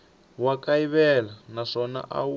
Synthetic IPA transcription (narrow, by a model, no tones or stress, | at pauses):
wakaiβɛlanaʂɔna̰ʔa̰